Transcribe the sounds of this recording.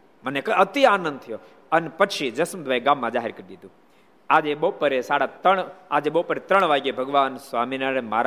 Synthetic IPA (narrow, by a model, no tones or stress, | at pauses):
mənekəət̪ianə̃nd̪̚t̪ʰəjo | ənepət͡ʃʰid͡ʒəsmd̪ʱʋaeɡãmːãd͡ʒaːɦeɾkəɾid̪id̪ũ | ad͡ʒebəpəɾesaɽat̪əɳad͡ʒebəɦpəɾet̪ɾəɳʋaɡjebʱəɡʋaːnsʋaminaɾemaɾ